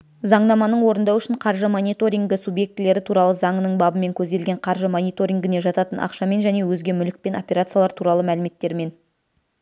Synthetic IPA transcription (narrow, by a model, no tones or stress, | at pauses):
zɑɴnɑmɑnəɴwo̞ɾənd̪ɑwʏʃɪɴqʰɑɾʒəmonʲit̪o̞ɾʲiŋɡʲɪsubje̞k̚t̪ɪle̞ɾɪt̪ʰuɾɑlˠəzɑɴənəɴbɑbəme̞ŋkʲʰɵzd̪e̞lɡʲe̞ɴqʰɑɾʒəmonʲijt̪o̞ɾʲiŋɡʲɪne̞ʒɑt̪ɑt̪ənʔɑ̰qʃɑme̞nʒæne̞wɵzɡʲe̞mʏlɪk̚pe̞no̞pʲe̞ɾat̪sɨjalˠɑɾt̪ʰuɾɑlˠəmælɪme̞t̪ːe̞ɾme̞n